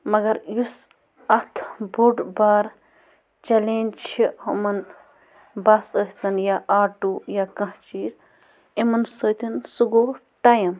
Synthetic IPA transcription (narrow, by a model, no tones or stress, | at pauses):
mɐɡɐɾjus | ɐt̪ʰbuɖbaːɾ | t͡ʃɐleːnt͡ʃʰihɐmɐn | basəsʲt̪ɐnjaʔaːʈujaːkɐ̃ɦt͡ʃiːz | emɐnsəːt̪insuɡo | ʈajɐm